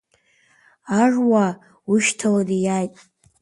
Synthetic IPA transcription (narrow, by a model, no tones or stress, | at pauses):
arwa | uʃtʰaladijajtʼ